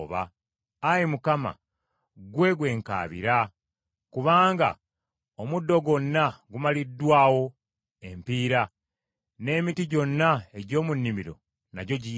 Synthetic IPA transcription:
βa̰ː | jimukama̰ | ɡwe̞ɡwe̞ːŋka̰ːβḭɾa | kuβaːŋɡa̰ | omudːo̞ɡo̞nːaɡumalidːwaːwo̞ | e̞mpiːɾa | ne̞ːmitiɟo̞nːae̞ɟo̞ːmunːimiɾo̞̰ | naɟo̞ɟi

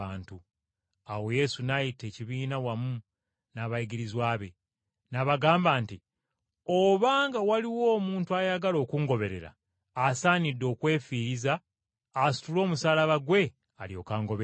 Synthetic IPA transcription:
aːntu | awo̞je̞sunajite̞ːciβiːnawamu | naβajiɡiɾizwaːβe̞ | naβaɡaːmbaːnti | oβaːŋɡawaliwo̞ːmuːntuajaɡalo̞ːkuŋɡo̞βe̞ɾe̞̰ɾa̰ː | saːnidːo̞ːkwe̞ːfiɾizaː | su̥tulo̞ːmusaːlaβaɡwe̞ | aljo̞ːkaːŋɡo̞βe

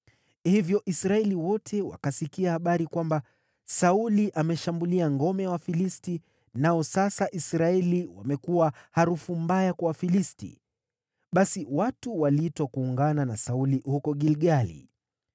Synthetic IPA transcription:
hivjɔʔisɾaɛliwɔtʰɛwa̰kasikiahaɓaɾikwamba | sauliʔamɛʃambuliaŋɡɔmɛwafilisti | naɔsasaʔisɾaɛliwa̰mɛkuwahaɾufumbajakwawafilistḭ | ɓasiwatuwalitwakuːŋɡananasaulihukɔɠilɠalḭ

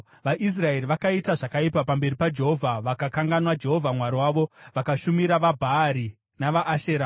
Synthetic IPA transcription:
ʋaʔis̬rae̞ɾiʋakaitaʐakaipapambe̞ɾipad͡ʒe̞ɦo̞vʱaʋakakaŋɡanwad͡ʒe̞ɦo̞vʱamwaɾiwaːʋo̞ʋakaʃumiɾaʋabʱaːɾi | naʋaʔːʃe̞ːɾa

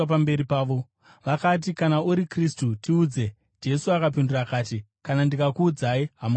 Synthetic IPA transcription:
p̬ambe̞ɾipaːʋo̞ | ʋakat̬ikanauɾikristutiuːd͡ze̞ | d͡ʒe̞suakap̬indurakaːt̬i | kanandikakuːd͡zaiɦam

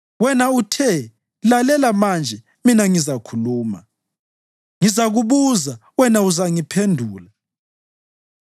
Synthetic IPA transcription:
wɛnautʰɛ | lalɛlamand͡ʒʱɛ | minaŋizakʰuluːma̰ | ŋizaɣuβuzawɛnauzaŋipʰendʱuːla

